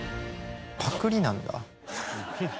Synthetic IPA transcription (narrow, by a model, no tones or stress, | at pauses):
pak͈ɯɾinanda̰